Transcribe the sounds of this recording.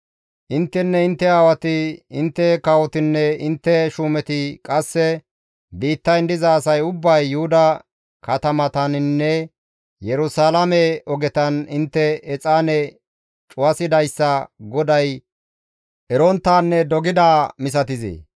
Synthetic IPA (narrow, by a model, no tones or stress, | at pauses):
ʔɪnt̪ːɛnːɛɪnt̪ːɛaːwɐt̪ɪɪnt̪ːɛkɐwɔt̪ɪnːɛɪnt̪ːɛʃuːmɛt̪ɪkʼɐsːɛ | biːt̪ːɐjnd̪ɪzɐːsɐjʊbːɐjːʊhʊd̪ɐ | kɐt̪ɐmɐt̪ɐnnːɛ | jɛɾʊsaːlɐmɛʔɔɡɛt̪ɐnɪnt̪ːɛːt͡sʼaːnɛ | t͡ʃʼʊwɐsɪd̪ɐjsːɐɡɔd̪ɐj | ʔɛɾɔnt̪ːaːnːɛd̪ɔɡɪd̪aːmɪs̬ɐt̪ɪzḛː